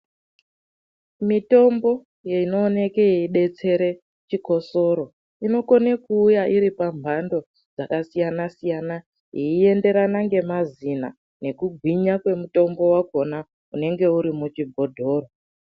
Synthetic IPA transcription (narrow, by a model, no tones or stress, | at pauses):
mito̞mbo̞ | jeino̞ːne̞kejeiɗe̞t͡se̞ɾe̞ | t͡ʃiko̞so̞ɾo̞ | ino̞konekuːjaʔiɾipambʱando̞ | d͡zakasijanasijana | ɦiie̞nde̞ɾanaŋɡe̞mazina̰ | ne̞kuɡʱwiɲakwe̞muto̞mbo̞wako̞na | une̞ŋɡe̞uɾimut͡ʃibʱo̞dʱo̞ːro